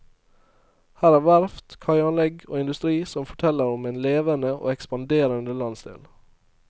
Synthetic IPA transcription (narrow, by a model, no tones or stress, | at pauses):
hæːɾæːʋæɾft̪kʰɑɪɑnlɛɡoːɪnd̪ʉst̪ɾiːsɔmfɔʈʰɛləɾɔmɛːnleːʋənəʔo̰ːɛkspɑnd̪eːɾənd̪əlɑnst̪ɪ̰ːl